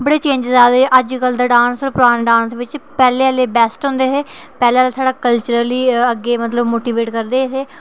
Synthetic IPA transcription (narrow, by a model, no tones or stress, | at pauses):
bəɽeːt͡ʃẽːɲd͡ʒzaːd̪ʔəd͡ʒkəld̪aːɖãːnsoɾpʊɾaːneɖãːnsʋɪt͡ʃpɛːleːəleːbɛːsʈɦõnd̪eːɦeː | pɛːleːaːleːt̪ʰaːɖaːkəlt͡ʃəɾəliːəɡːeːmət̪ləbmoːʈiːʋeːʈkəɾd̪eːɪt̪eː